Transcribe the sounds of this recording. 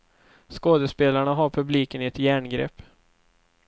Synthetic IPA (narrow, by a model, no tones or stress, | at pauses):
skoːd̪əspeːlaɳaɦaɾpʰɵbliːkənɪɛt̪jæːɳɡɾɛ̰pː